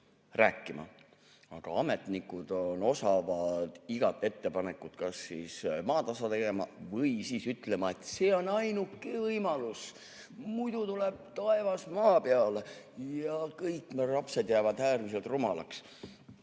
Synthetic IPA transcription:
ræːkˑːimɑ̰ | ɑ̰ɡ̥ɑ̰ɑme̞t̪nikːˑud̪̥ono̞sɑvɑd̪̥iɡ̥ɑt̪ːˑe̞t̪ːe̞pɑne̞kːˑut̪kɑsːismɑːt̪ɑsɑt̪e̞ɡe̞mɑ̰vɤjsiːsyt̪le̞mɑe̞t̪seːo̞nɑjnukːevɤjmɑlus | mujd̪̥ut̪uleb̥̚t̪ɑe̞vɑsmɑːpeɑle | jɑkɤjkːmerɑpse̞d̪̥jæːvɑd̪̥æːrmis̬e̞lt̪rumɑlɑks

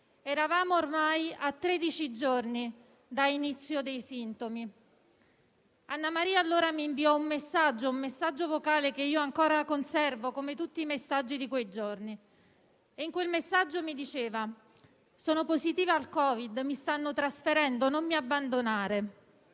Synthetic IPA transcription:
ɛɾavaːmoːrmajat̪ːɾed̪it͡ʃid͡ʒorni | d̪ainit̪sːjod̪ejsint̪omi | anːamaɾiːaːlːoːɾamiːɱviɔumːesːad͡ʒːoummesːad͡ʒːovokaːlekeiːoaŋkoːɾakonsɛrvokomet̪ut̪ːiːmesːad͡ʒːid̪ikwejd͡ʒorni | eiŋkwelmesːad͡ʒːomid̪it͡ʃeːva | sɔːnoposzit̪iːvealkɔːvid̪mist̪anːot̪ɾasfeɾɛnd̪onomːiabːand̪onaːɾe

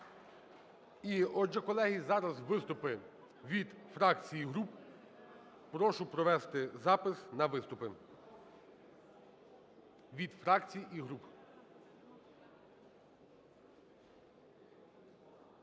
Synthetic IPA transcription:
iɔd͡ʒɛkɔlˠɛɦʲizɑɾɐzʋɪst̪ʊpɪ | ʋʲid̪fɾɑkt͡sʲijiɦɾup | pɾɔʃʊpɾɔʋɛst̪ɪzɑpɪsnɐʋɪst̪ʊpɪ | ʋʲid̪fɾɑkt͡sʲijiʔiɦɾup

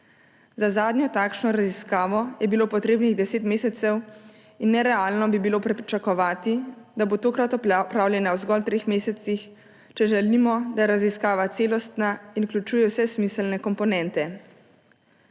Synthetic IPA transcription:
zazaːd̪njɔt̪aːkʃnɔɾaziskaːʋɔjɛbiloːpɔt̪ɾeːbniɣd̪ɛseːt̪meːsɛt̪sɛw | inːɛɾɛalnɔbibiloːpɾɛit͡ʃakɔʋaːt̪id̪abot̪oːkɾat̪ɔppɾawljɛnawzɡɔlt̪ɾeːxmeːsɛt̪six | t͡ʃɛʒɛlimɔd̪ajɛɾaziskaːʋat̪seːlɔst̪nainuklʲut͡ʃuːjɛwsɛsmislnɛkɔmpɔnɛ̃nt̪ɛ

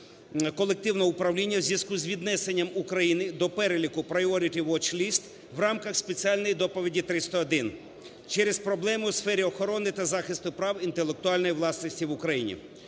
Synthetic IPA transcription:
kɔlˠek̚t̪ɪwnɔʊpɾɐwlʲinʲːɐwzʲjɐskuzʲʋʲid̪nɛsenʲːɐmukɾɐjinɪd̪ɔpɛɾelʲikʊpɾɐjɔɾʲit̪ʲɪʋɔt͡ʃlʲist̪ | ʋrɑmkɐxspet͡sʲiɑlʲnɔjid̪ɔpɔʋʲidʲit̪ɾɪst̪ɐːd̪ɪn | t͡ʃɛɾespɾɔblˠɛmʊwsfɛɾʲiɔxɔɾɔnɪt̪ɐzɑxɪst̪ʊpɾɑwint̪elˠek̚t̪ʊɑlʲnɔjiʋlˠɑsnɔsʲtʲiʋʊkɾɐjinʲḭ

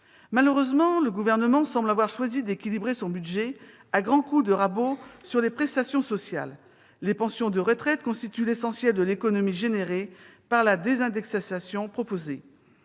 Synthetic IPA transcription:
maləʁøzmɑ̃ləɡuvɛʁnəmɑ̃sɑ̃blavwaʁʃwazid̪ekʲilibʁesɔ̃byd̪ʒɛ | aɡʁɑ̃kud̪əʁabosyʁlepχɛst̪asjɔ̃sɔsja̰lː | epɑ̃sjɔ̃d̪əʁət̪χɛt̪kɔ̃st̪it̪ylesɑ̃sjɛld̪əlekɔnɔmiʒeneʁepaʁlad̪ezɛ̃d̪ɛksasasjɔ̃pχɔpoze

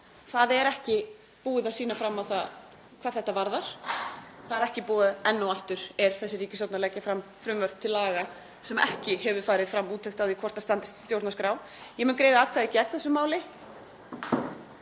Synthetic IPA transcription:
θaðɛɾɛhcɪ | puːɪðawsiːnafɾamːawθað | kʰvaːɾθɛht̪ːavaɾðaɾ̥ | θaðɛɾɛhcɪpɔːðɛnːawaft̪ʏɾ̥ɛɾ̥θɛsːɪriːcɪsɔwt̪nalɛcːafɾamfɾʏmvœɾ̥p̚t̪ʰɪlaːɣa | sɛmɛ̰hcɪhɛvʏɾ̥faːjɾɪðfɾamːuːt̪ʰejxt̪awðikʰɔr̥t̪ast̪ant̪ɪ̥st̪st̪jowɾt̪naskɾaːw | jɛmʏnkɾeːjðaaːðkʰaːðɪcɛkθɛsːʏmːaːwlɪ

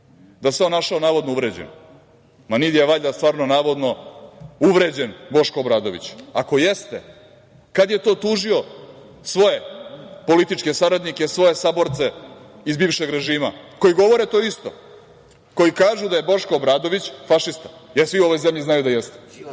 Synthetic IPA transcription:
d̪aseonaʃaonaːʋo̞d̪nouʋɾed͡ʑen | manid̪ijeʋaʎast̪ʋaːɾnonaːʋo̞d̪no̞ | uʋɾe̞ːd͡ʑenbo̞ʃkoːbɾaːd̪o̞ʋḭt͡ɕako̞jest̪e | kad̪je̞t̪o̞ːt̪uːʒio | sʋo̞je̞po̞lit̪it͡ʃke̞saɾad̪nikesʋo̞je̞sabo̞ɾt̪se | izbiːʋʃe̞ɡɾe̞ʒiːmako̞jiɡo̞ʋo̞ɾet̪oːist̪o̞̰ | ko̞jikaːʒud̪aje̞bo̞ʃkoːbɾaːd̪o̞ʋit͡ɕfaʃist̪ajeɾsʋiuoʋo̞jzemʎiznajud̪ajest̪e

